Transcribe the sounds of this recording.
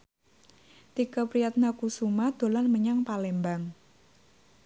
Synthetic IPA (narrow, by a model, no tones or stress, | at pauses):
t̪ikəpɾijat̪̚nakusumad̪̥o̤lanməɲaŋpalɛmbaŋ